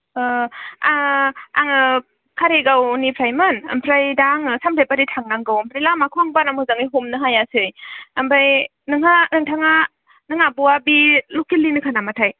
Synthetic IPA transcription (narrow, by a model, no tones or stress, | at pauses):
aa̰ŋɯ | kʰaɾeɡawnipʰɾajmɯna̰mpʰɾajdaŋɯsampʰɾajpaɾitʰaŋnaŋɡawmpʰɾajlamakʰuaŋbanamɯzaŋiɦomnɯɦajasɯjambaj | nɯŋanɯŋtʰaŋa | nɯŋabuwabilukilːinɯkʰanamatʰaj